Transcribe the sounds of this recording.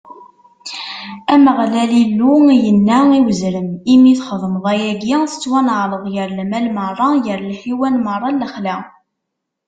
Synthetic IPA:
æməʁlælilːujənːæiwəzɾəmimiθχəðˤməðˤæjæɡiθə̥t͡sːwænəʕləðˤjəɾlmælmərˤːɑjəɾlħiwælmərˤːɑlːəχlæ

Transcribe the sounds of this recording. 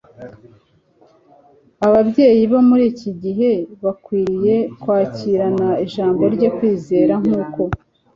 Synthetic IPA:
aβabɟe̞ːjiβomuɾiːciɟiɦe̞βakwiːɾije̞kwaːciɾanaiʒaːmbo̞ɾɟo̞kwiːze̞ːɾaŋ̥uːko̞

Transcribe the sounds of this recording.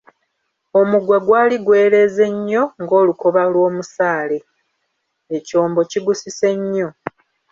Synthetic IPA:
o̞muɡwaɡwaːliɡwe̞ːɾe̞ze̞ɲːo̞ŋɡo̞ːluko̞βalwo̞ːmusaːle̞ | eco̞ːmbo̞ciɡusise̞ɲːo̞

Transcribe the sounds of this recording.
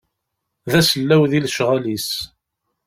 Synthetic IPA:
ðæsəlːæwðilʃʁælis

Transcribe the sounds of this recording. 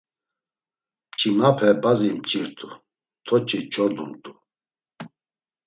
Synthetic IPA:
mt͡ʃʰʼimapʰɛbazimt͡ʃʼiɾt̪ʰʼu | t̪ʰɔt͡ʃʰʼit͡ʃʰɔɾd̪umt̪ʼu

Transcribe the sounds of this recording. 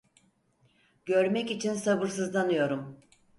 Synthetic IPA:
ɟø̞ɾmɛcit͡ʃʰinsabɯɾs̬ɯzlˠanɯjo̞ɾum

